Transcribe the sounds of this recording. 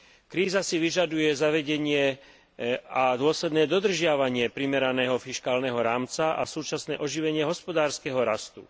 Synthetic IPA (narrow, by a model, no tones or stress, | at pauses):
kɾiːzasiʋiʒad̪ujɛzaʋɛɟɛɲɪɛ | ad̪ʊɔslɛd̪nɛːd̪ɔd̪r̩ʒɪaʋaɲɪɛpɾimɛɾanɛːɦɔfiʃkaːlnɛɦɔɾaːmt͡saʔa̰suːt͡ʃasnɛːʔɔʒiʋɛɲɪɛɦɔspɔd̪aːɾskɛɦɔɾast̪ṵ